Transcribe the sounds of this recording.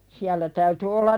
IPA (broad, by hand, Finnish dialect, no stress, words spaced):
siælːæ tæyty olːɑr